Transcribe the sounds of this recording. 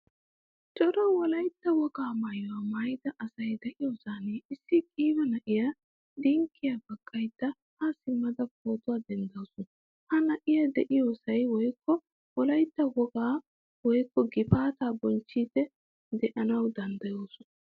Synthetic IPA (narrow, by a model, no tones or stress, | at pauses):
t͡ʃʼɔɾɐwɔlɐjt̪ːɐwɔɡaːmɐjɔwɐmɐjd̪ɐʔɐsɐjd̪ɛʔɪjoːsaːneːɪsːɪkʼiːbɐnɐʔɪja | d̪ɪŋkʰːɪjabɐkʼːɐjt̪ːɐ | hɐsɪmːɐd̪ɐp̚ʰoːt̪ʊwaːd̪ɛnd̪ɐwsɔnɐ | hɐnɐʔɪjɐd̪ɛʔɪjoːsɐjwɔjkːɔ | wɔlɐjt̪ːɐwɔɡaː | wɔjkːɔɡɪpaːt̪aːbɔnt͡ʃːiːd̪ɛ | d̪ɛʔɐnɐwd̪ɐnd̪ɐjoːsɔnɐ